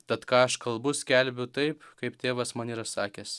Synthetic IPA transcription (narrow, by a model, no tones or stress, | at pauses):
t̪ʲɐt̪kɑːɐʃkɐlˠbʊsʲkʲɛlʲbʲʊt̪ɐɪpkɐɪpt̪ʲeːʋɐsmɐːnʲiːɾɐsɑːkʲɛːs